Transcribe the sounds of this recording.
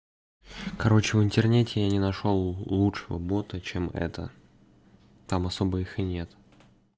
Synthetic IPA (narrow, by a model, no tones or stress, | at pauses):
kɐɾo̞t͡ɕɪvɪnt̪ʲɪrnʲetʲɪjanʲɪnɐʂolˠlˠutʂəvə̰bo̞t̪ət͡ɕemɛ̰t̪ə̰ | t̪amɐso̞bəixɨnʲe̞t̪